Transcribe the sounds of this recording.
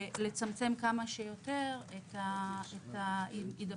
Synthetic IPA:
le̞t͡samt͡se̞mkamaʃejo̞t̪e̞ʁet̪aet̪aimida

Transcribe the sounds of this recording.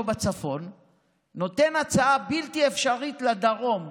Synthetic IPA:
bat͡safo̞nː | o̞t̪e̞nat͡saabilt̪iefʃaʁit̪led̪aʁo̞m

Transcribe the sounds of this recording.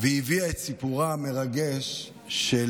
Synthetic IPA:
veiviaet̪sipuʁame̞ʁaɡeʃ | ʃe

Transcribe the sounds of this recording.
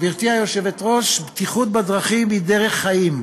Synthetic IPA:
viʁt̪iajo̞ʃevet̪ʁo̞ʃbt̪iχut̪̚bad̪ʁaχimːid̪eʁe̞χːajim

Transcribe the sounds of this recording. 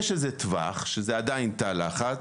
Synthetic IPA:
ʃezetva̰χʃezeadaintalaχa

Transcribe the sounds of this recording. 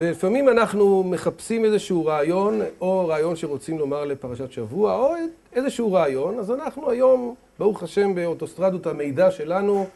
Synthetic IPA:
velifamimanaχnume̞χapsimezeʃeuʁaːjo̞no̞ʁaːjo̞nʃeʁo̞t͡simlo̞maʁle̞paʁaʃat̪ʃavuaoe | eze̞ʃɛhuʁaːjo̞nazanaχnuajo̞m | bauχhaʃe̞mbeot̪o̞st̪ʁadot̪hame̞jdaʃe̞lanu

